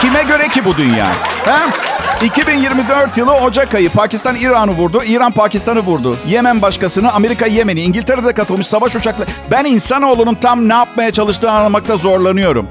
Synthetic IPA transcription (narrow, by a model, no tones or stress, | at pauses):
cʰimɛɟø̞ɾɛcibud̪ynja̰ːhɛicibinjiɾmid̪ø̞ɾt̪jɯlˠɯo̞d͡ʒakajɯpʰaːcist̪aniːɾanɯvuɾd̪uiːɾanpaːcist̪ʰanɯvuɾd̪ʊje̞mænbaʃkasɯnɯame̞ɾikaje̞me̞niːɲɟilʲt̪ʰeɾed̪ɛkat̪ʰɯlˠmɯʃsavaʃut͡ʃʰaklˠabæninsano̞ːlˠununt̪ʰamnɛjap̚majat͡ʃʰalˠɯʃt̪ɯːanlˠamak̚t̪ʰazo̞ɾlˠanɯjo̞ɾṵm